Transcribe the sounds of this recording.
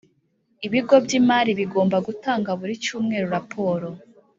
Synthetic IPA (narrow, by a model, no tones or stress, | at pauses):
iβiɡo̞bɟiːmaːɾiβiɡo̞ːmbaɡutaːŋɡaβuɾit͡ʃuːmŋe̞ːɾoɾapʰo̞ːɾo̞